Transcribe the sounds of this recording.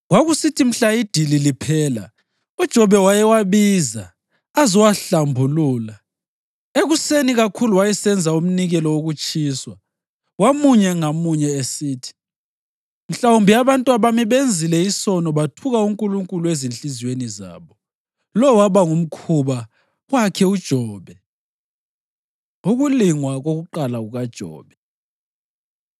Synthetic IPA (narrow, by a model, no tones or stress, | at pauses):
waɣusitʰim̩ɬaid̥ʱililipʰɛːla̰ | ud̥ʒ̥ʱɔβɛwajɛwaβiːzaː | zɔwaɬambʱuluːla | eɣuseniɣakʰuluwajɛsɛnd͡zʱaum̩niɣɛlɔwoɣut͡ʃʼiːswa | wamuɲɛŋamuɲɛesiːtʰi̥ | m̩ɬaumbʱiaβantʼuaβamiβend͡zʱilɛisɔnɔβatʰuɣauŋkʼuluŋkʼuluezinɬiziweniza̰ːβɔ | lɔwaβaŋum̩kʰuβa | wakʰɛud̥ʒ̥ʱɔːβɛ | uɣuliŋwaɣoɣuǃalaɣuɣad̥ʒ̥ʱɔ̰ːβɛ